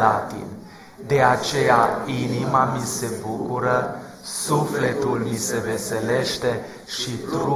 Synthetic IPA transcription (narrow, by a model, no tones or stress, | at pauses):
at̪ḭn | d̪e̞at͡ʃe̞jainimamise̞bukuɾə | sufle̞t̪ulmise̞ve̞se̞le̞ʃt̪e̞ | ʃit̪ɾu